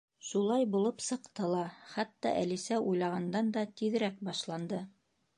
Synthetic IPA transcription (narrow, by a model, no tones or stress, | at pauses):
ʃulˠɑjbulˠɤpsɤ̆qt̪ɤlˠɑχæt̪ːɑ̰ʔæ̰lisæʔujlˠɑʁɑnd̪ɑnd̪ɑt̪iðɘ̆ɾæk̚bɑʃlˠɑnd̪ɤ